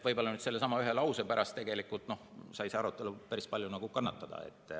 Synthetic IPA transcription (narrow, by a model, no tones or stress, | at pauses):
vɤjbo̞lɑnyd̪selːe̞sɑmɑyɦe̞lɑwsepæɾʔɑst̪e̞ɡ̥e̞likːult̪no̞hsɑjseɑɾut̪ːˑe̞lupæɾispɑlʲjunɑɡ̥ukɑnːɑt̪ːˑɑd̪̥ɑ̰ḛt̪ːˑ